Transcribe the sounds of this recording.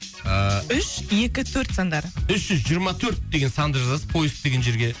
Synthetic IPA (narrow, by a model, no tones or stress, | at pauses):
əʏʃe̞kʲɪt̪ʰɵɾt̪sand̪ɑɾəʏsʒ̥ʏzʒijəɾmɑt̪ʰɵɾt̪̚d̪e̞ɡʲe̞nsɑnd̪ɾzɑspʰojɪsk̚d̪e̞ɡʲe̞nʒe̞ɾɡʲe̞